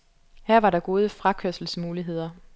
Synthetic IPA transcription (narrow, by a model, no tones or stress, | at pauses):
hæɐ̰ʋɑ̈ɾɑ̈ɡ̥o̝ːð̞ˠəfʁɑ̈kʰøɐsl̩smuːliɦe̝ð̞̰ˠɐ